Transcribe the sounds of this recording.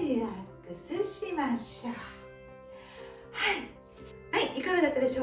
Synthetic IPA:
iɾakɯsɨɕimaɕta | hai | haiʔikaɡad̪at̪ːad̪e̞ɕoː

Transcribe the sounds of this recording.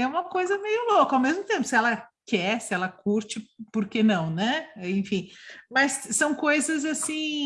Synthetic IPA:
ɛũmɐkojzɐmejʊlokɐawmezmʊt̪ẽmpʊsɪɛlɐkɛsɪɛlɐkuɾt͡ʃɪpoɾkenɐ̃w̃nɛẽj̃fĩmɐsːɐ̃w̃kojzɐzasĩ

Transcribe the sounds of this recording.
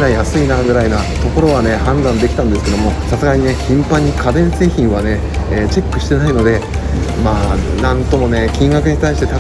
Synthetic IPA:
najasɨinaɡɯ̟ɾaina | t̪o̞ko̞ɾo̞βane̞hãnd̪ãnd̪e̞kʲi̥t̪ãnd̪e̞sɨ̥ke̞d̪o̞mo̞sasɨɡaɲ̟ine̞çĩmpãɲ̟ːikʰabẽ̞nseçĩɰ̃βane̞ | t͡ɕe̞kːɯ̟ɕi̥t̪e̞naino̞d̪e̞ | maːnãnt̪o̞mo̞ne̞kʲĩŋɡakɯ̟ɲ̟it̪aiɕi̥t̪e̞t̪a

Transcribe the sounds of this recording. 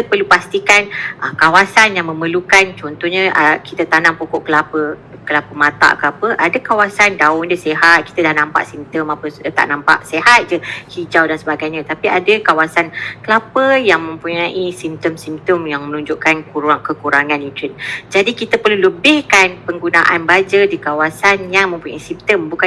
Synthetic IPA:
it̪əpərlupast̪ikanʔəkawasanjaŋməməlukant͡ʃɔnt̪ɔhɲəʔakit̪ət̪anaŋpokɔʔkəlapəkəlapəmãt̪a̰ʔkəlapəʔadəkawasandaʊdəseɦat̪̚ki̥t̪ədahnampa̰ʔsimt̪əmapət̪a̰ʔnampa̰ʔsehat̪̚d͡ʒəhid͡ʒawdansəbaɡajɲãt̪apiadəkawasankəlapəjaŋmə̃mpuɲaʔisimt̪əmsimt̪əmjaŋmənũɲd͡ʒuʔkankuɾaŋkəkuɾaŋanit̪ɾənd͡ʒadikit̪əpərluləbɪhkanpəŋɡunaʔanbad͡ʒədikawasanjaŋmə̃mpuɲaisimt̪əmbuka

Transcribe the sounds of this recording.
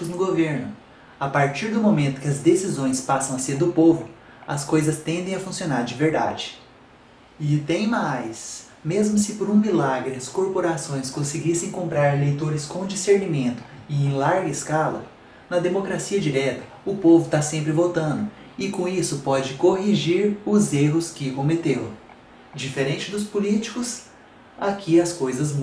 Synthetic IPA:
znʊɡoveɾnʊ | apaɾt͡ʃiɾd̪ʊmomẽnt̪ʊ̥kɪɐzd̪esizõj̃spasɐ̃w̃ɐseɾd̪ʊpovʊ | ɐskojzɐst̪ẽnd̪ẽj̃ɐfũsionaɾd͡ʒɪveɾd̪a̰d͡ʒɪ | ɪt̪ẽj̃majs | mezmʊsɪpoɾũmilaɡɾɪɐskoɾpoɾasõj̃skõsɪɡisẽj̃kõmpɾaɾelejt̪oɾɪskõd͡ʒiseɾnimẽnt̪ʊ̥ɪẽj̃laɾɡɐɪskalɐ̰ | nɐd̪emokɾasiɐd͡ʒiɾɛt̪ɐ̥ | ʊpovʊt̪asẽmpɾɪvot̪ɐ̃nd̪ʊ | ɪkõisʊpɔd͡ʒɪkoɦiʒiɾʊzeɦʊskɪkõmet̪ew | d͡ʒifeɾẽnt͡ʃɪd̪ʊspʊlit͡ʃi̥kʊs | akʰiɐskojzɐzm

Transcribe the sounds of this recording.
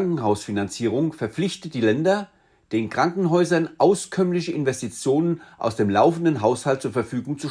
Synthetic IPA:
ŋkŋ̩ɦaʊsfinant͡siːʁ̞ʊŋfɛɐp͡flɪçtət̚d̥iːlɛndɐ | d̥eːnkʁ̥aŋkŋ̩ɦɔʏzɐnʔaʊskʰœmlɪçəʔɪnvɛstit͡sjoːnənʔa̰ʊsd̥eːmlaʊfn̩dənɦaʊshalt̚t͡suːɐfɛɐfyːɡʊŋt͡su

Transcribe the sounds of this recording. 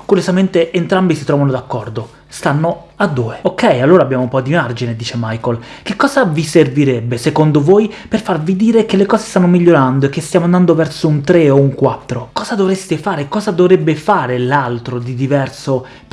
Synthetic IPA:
kuɾjozament̪eʔːnt̪ɾambisit̪ɾɔvanod̪akːɔrd̪o | st̪anːo | ad̪ːuːeokːɛjalːoːɾaːbːjaːmoumpɔd̪imard͡ʒined̪iːt͡ʃemajkolkekːɔːzaviserviɾɛbːesekond̪ovojperfarvid̪iːɾekelːekɔːze̥st̪anːomiʎːoɾand̪oekːest̪jaːmoand̪and̪ovɛrsount̪ɾeouŋkwat̪ːɾokɔːzad̪ovɾest̪efaːɾekɔːzad̪ovɾebːefaːɾelalt̪ɾod̪id̪ivɛrso

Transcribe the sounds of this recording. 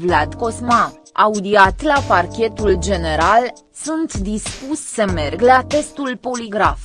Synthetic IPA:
vlad̪ko̞sma | aud̪iat̪laparkʲe̞t̪uld͡ʒe̞ne̞ɾal | sunt̪d̪ispusʲsəme̞rɡlat̪e̞st̪ulpo̞liɡɾaf

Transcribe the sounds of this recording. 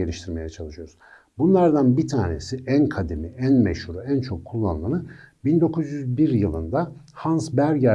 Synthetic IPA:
elʲiʃt̪ʰiɾme̞jɛt͡ʃʰalˠɯʃyjo̞ɾuz̥ | bunlˠaɾd̪anbit̪ʰaːne̞̰siʔænkʰad̪emiʔænmɛ̰ʃhuɾuænt͡ʃʰo̞kʰːulˠːa̰nlˠanɯbind̪o̞kʰuzjyzbiɾjɯlˠɯnd̪a | hansbæɾɟæ

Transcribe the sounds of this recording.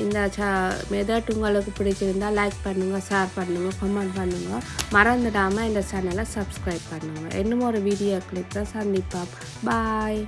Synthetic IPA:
ɪnd̪ɐt͡ʃɐmɛðɐʈːuŋɡɐɭɯkːɯpɪɽɪt͡ʃːɪɾɯnd̪aːlɐɪk̚pɐɳːɯŋɡɐsaːɾpɐɳːɯŋɡɐkɔmɛɳʈpɐɳːɯŋɡɐmɐɾɐnd̪ɯɽaːmɐɛnd̪ɐsɐnːɐlɐsɐbskɾɐɪb̚pɐɳːɯŋɡɐʔɛnːɯmɔɾɯʋiːɽijoːkɭɪkːɐsɐnd̪ipːaː | baːj

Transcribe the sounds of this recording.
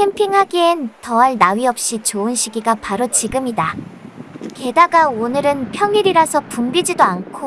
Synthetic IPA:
kʰempʰiŋɦaɡientʌaɭnaɥiʌp̚ɕ͈it͡ɕoɯnɕʰiɡiɡapaɾot͡ɕiɡɯmida | ke̞daɡaonɯɾɯnpʰjʌŋiɾiɾasʰʌpumbid͡ʑidoankʰo

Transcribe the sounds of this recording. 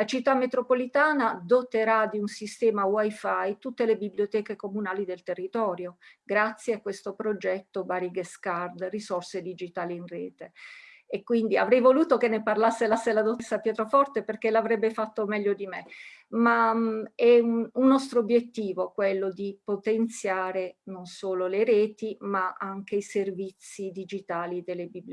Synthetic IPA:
lat͡ʃit̪ːamːet̪ɾopolit̪aːnad̪ot̪eɾad̪iunsist̪ɛːmawajfajt̪ut̪ːelebibljot̪ɛːkekomunaːlid̪elt̪erːit̪ɔːɾjoɡɾat̪sːjeakːwest̪opɾod͡ʒɛt̪ːobaɾiɡeskard̪risɔrsed̪id͡ʒit̪aːliinrɛ̰ːt̪e | ekːwind̪ia̰vɾɛjvoluːt̪okenːeparlasːelasːelad̪ot̪sapjɛːt̪ɾofɔrt̪eperkelavɾɛbːefat̪ːomɛʎːod̪imemaɛuunːɔst̪ɾoːbːjet̪ːiːvokwelːod̪ipot̪ent̪sjaːɾenonsoːloleɾɛːt̪imaaŋk̟eiservit̪sːid̪id͡ʒit̪aːlid̪elːebibl

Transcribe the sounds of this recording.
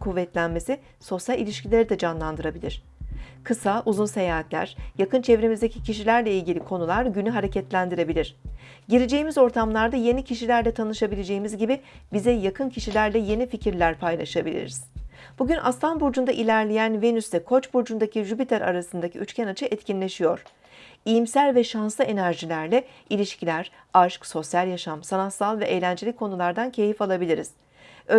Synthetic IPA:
kʰuvːɛt̪lʲænme̞si | so̞sjalʲilʲiʃcilʲeɾid̪ɛd͡ʒanlˠand̪ɯɾabilʲiɾ̥ | kʰɯsaʔuzunse̞jaːɦat̪lʲæ̰ɾ̥jakɯnt͡ʃʰɛvɾemizd̪ecʰicʰiʃilʲæɾlʲɛilʲɟʲilʲikʰo̞nulˠaɾɟynyɦaɾe̞cʰɛt̪lʲænd̪iɾe̞bilʲiɾ̝̥ | ɟiɾed͡ʒe̞jimizo̞ɾt̪ʰamlˠaɾd̪aje̞nicʰiʃilʲæɾlʲɛt̪ʰanɯʃabilʲed͡ʒe̞jimizɟibibizɛjakʰɯncʰiʃilʲæɾd̪ʲɛje̞nificʰiɾlʲæɾpʰajlˠa̰ʃabilʲḭɾḭz̥ | b̥uɟynʔa̰st̪ʰanbuɾd͡ʒund̪aʔilʲæɾlʲejænvenysɛkʰo̞t͡ʃbuɾd͡ʒund̪acʰiʒypit̪ʰæɾʔa̰ɾasɯnd̪acʰḭyt͡ʃcʲʰænat͡ʃʰɯʔɛt̪cʰinlʲe̞ʃijo̞ɾ̥ | ijimsælʲvɛʃansˠɯʔe̞næɾʒilʲæɾlʲɛ | ilʲiʃcilʲæɾ | aʃkso̞sjalʲˠjaʃamsanat̪salˠvɛʔejlʲænd͡ʒelʲikʰːo̞nulˠaɾd̪ancʰe̞jifalˠabilʲiɾiz̥ | ø

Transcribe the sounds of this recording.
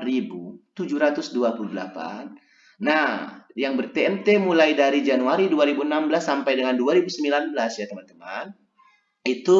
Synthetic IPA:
ribut̪ud͡ʒuɾat̪ʊsduapuludəla̰pa̰nː | ajaŋbərt̪eɛmt̪emulajdaɾid͡ʒanuaɾiduaɾibunambəlasːampajdəŋanduaɾibusəmbilanbəlasjat̪əmant̪əma̰n | it̪u

